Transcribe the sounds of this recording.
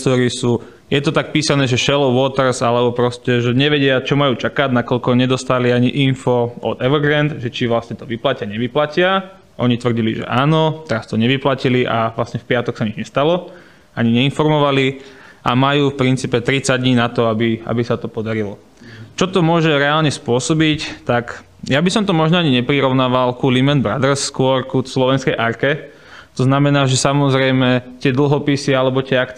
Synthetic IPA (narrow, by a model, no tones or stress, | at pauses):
t̪ɔɾisuː | jɛt̪ɔt̪ak̚piːsanɛːʒɛʃɛlɔʊʋɔt̪rsalɛbɔpɾɔscɛʒɛɲɛʋɛɟɪat͡ʃɔmajuːt͡ʃakaɟnakɔʎkɔɲɛd̪ɔst̪aliaɲiʔinfɔɔ̰t̪ɛʋɡɾɛnd̪ʒɛt͡ʃiʋlasɲɛt̪ɔʋiplacɪaɲɛʋiplacɪa | ʔɔɲit̪ʋr̩ɟilḭʒɛ̰ʔaːnɔt̪ɛɾast̪ɔɲɛʋiplaciliʔaʋlasɲɛfpɪat̪ɔksaɲid͡ʒɲɛst̪alɔ | aɲiɲɛinfɔɾmɔʋaliʔa̰majuːfpɾint͡siːpɛt̪ɾit͡saɟd̪ɲiːnat̪ɔabia̰bisat̪ɔpɔd̪aɾilɔ | t͡ʃɔt̪ɔmʊɔʒɛɾɛaːlɲɛspʊɔsɔbict̪ak | jabisɔmt̪ɔmɔʒnɔaɲiɲɛpɾiɾɔʊnaːʋalkulimɛnbɾa̰d̪rskʊɔɾkuslɔʋɛnskɛjʔaɾkɛ | t̪ɔznamɛnaːʒɛsamɔzɾɛjmɛt̪ɪɛd̪l̩ˠɦɔpisialɛbɔt̪ɪɛak